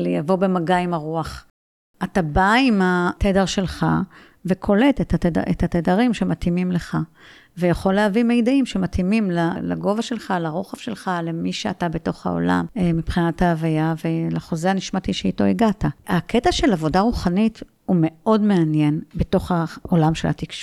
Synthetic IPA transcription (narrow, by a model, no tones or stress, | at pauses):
lejavo̞bemaɡaimaʁuaχ | atabaimatʰedeʁʃe̞lχa̰ | ve̞kʰo̞le̞tetateda̰ʔḛt̪at̪edaʁimʃe̞matimimleχa | vejaχo̞leavime̞jdaimʃe̞matimimlala̰ɡo̞vaʃe̞lχalaʁo̞χafʃe̞lχale̞miʃeatabe̞to̞χa̰o̞̰la̰mmipχinathaːvajavelaχo̞zeaniʃmatiʃeito̞iɡataakʰetaʃe̞lavo̞daʁuχanit | hume̞o̞dme̞anje̞nbeto̞χao̞lamʃela̰tikʃu